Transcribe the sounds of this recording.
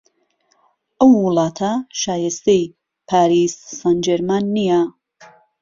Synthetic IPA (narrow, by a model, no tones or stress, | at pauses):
ʔɐwːʊlɑːt̪ʰɐʃaːjest̪ij | pʰaːɾisːand͡ʒeɾmanːija